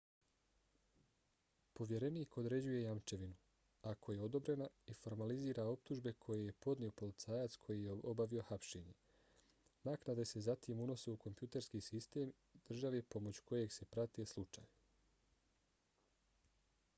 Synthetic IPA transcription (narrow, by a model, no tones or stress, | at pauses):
po̞ʋje̞ɾe̞niːko̞d̪ɾe̞d͡ʑuje̞jamt͡ʃe̞ʋinu | akʰo̞je̞o̞d̪o̞bɾe̞naifo̞ɾmaliziːɾao̞p̚t̪uʒbe̞kʰo̞jeje̞po̞d̪nio̞po̞lit̪saːjat̪skʰo̞jijeo̞baʋio̞xapʃe̞ːɲe̞ | naknad̪e̞se̞zat̪imuno̞se̞uko̞mpjut̪eɾskiːsist̪e̞ːm | d̪̥r̩ʒaʋe̞po̞mo̞t͡ɕu̥ko̞je̞ɡse̞pɾat̪eslˠut͡ʃa̰ːj